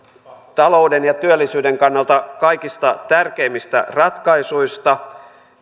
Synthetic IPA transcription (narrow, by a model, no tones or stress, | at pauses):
t̪ɑlo̞udenjɑt̪yølːisyːdeŋkɑnːɑlt̪ɑkɑjkist̪ɑt̪ærkeimːist̪æ̰rɑt̪kɑisuist̪ɑ